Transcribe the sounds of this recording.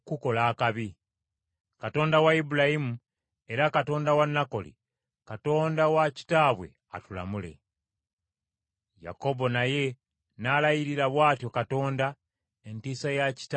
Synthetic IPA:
kuko̞laːkaβi | kato̞ːndawaibulajimu | e̞ɾakato̞ːndawanːako̞lḭ | kato̞ːndawaci̥taːβwe̞̰ | a̰tula̰mule̞̰ | ja̰ko̞bo̞naje̞ | naːlajiɾiɾaβwaːtjo̞kato̞ːnda | entiːsajaci̥t

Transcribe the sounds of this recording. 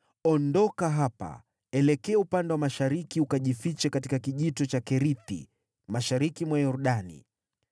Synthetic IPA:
ɔndɔkaɦapa̰ | ɛlɛkɛːupandɛwamaʃaɾikiukaʄifit͡ʃɛkatikakiʄitɔt͡ʃakɛɾiθḭ | maʃaɾikimwajɔɾuɗanḭ

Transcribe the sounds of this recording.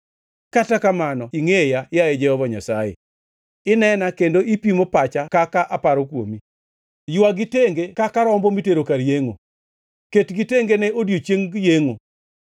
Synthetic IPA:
katakamanɔiŋejajajed͡ʒɛhɔvaɲasajḛ | ɪnɛnakendoipimopat͡ʃakakaʔapaɾokwo̰mi | jwaɡiteŋɡekakaɾɔmbɔmiteɾokaɾjeŋo̰ | ketɡiteŋɡenɛʔodjot͡ʃeŋɡjeŋo

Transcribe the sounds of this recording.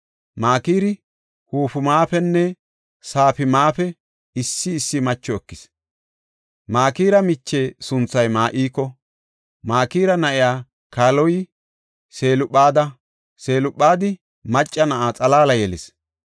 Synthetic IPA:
maːkiːɾɪ | huːfʊmaːpɛnːɛ | saːfɪmaːpɛ | ɪsːɪːsːɪmɐt͡ʃːɔɛkːɪs | maːkiːɾɐmɪt͡ʃːe̞ːsʊnt͡sːɐjmaːʔiːkːɔ | maːkiːɾɐnɐʔɪjaː | kaːlɔjɪ | seːlʊpːaːd̪ɐ | se̞ːlʊɓːaːd̪ɪ | mɐt͡ʃʼːɐnɐʔaːt͡sʼɐlaːlɐjɛlɪs

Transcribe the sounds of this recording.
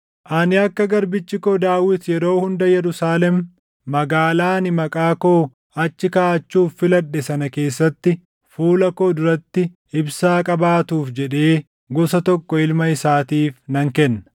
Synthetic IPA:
ʔɐnɪɐkːɐɡɐɾbɪt͡ʃːɪkod̪aːwɪt̪jɛɾo̞ːhʊnd̪ɐjɛɾʊsaːlɛmː | ɐɡaːlaːnɪmɐkʼaːkoː | ɐt͡ʃːɪkaːʔɐt͡ʃːuːfːɪlɐᶑːɛsɐnɐke̞ːsːɐt̪ːɪ | fuːlɐkoːd̪ʊɾɐt̪ːɪ | ɪbsaːkʼɐbaːt̪uːfd͡ʒɛᶑe̞ː | ɡɔsɐt̪ɔkːɔɪlmɐɪsaːt̪iːfnɐŋkɛnːɐ

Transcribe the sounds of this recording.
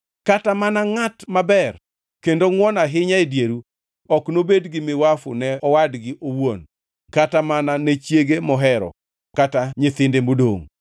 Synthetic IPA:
katamanaŋatmabɛr | kendoŋwɔnaɦɪɲaedjeɾu | ɔknobedɡɪmɪwafʊ̰nɛɔwadɡɪʔowon | katamananɛt͡ʃjeɡemɔɦɛɾɔ̰ | kataɲɪt̪ɪndemodo̰ŋ

